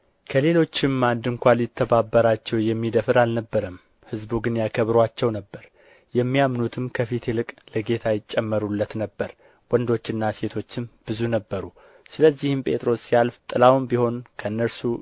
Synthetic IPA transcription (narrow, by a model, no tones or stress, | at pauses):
kʰəle̞lo̞t͡ʃːɪmand̪ɨŋkʷalɪt̪ʰːəbabːəɾat͡ʃːɛwjɛmːid̪əfɨɾalnəbːəɾəm | hɨzbuɡɨnjakʰəβɾwat͡ʃːɛwnəbːəɾ | jɛmːijamnut̪ʰɨmkʰəfit̪ʰe̞lɨkʼləɡe̞t̪ʰajɪt͡ʃʼːɛmːəɾulːət̪nəbːəɾ | wɔnd̪o̞t͡ʃːɪnːase̞t̪ʰo̞t͡ʃːɪmb̥ɨzunəbːəɾu | sɨləzːihɨmpʼe̞̰t̪ʼɾo̞sijalft̪ʼɨlawmbiho̞nkʰəɨnːəɾsu